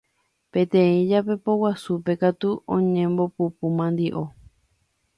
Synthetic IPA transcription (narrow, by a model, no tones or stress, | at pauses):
pẽ̞t̪ẽĩd͡ʒape̞powasupe̞kat̪uʔõɲẽmbo̞pupumãnd̪iʔo̞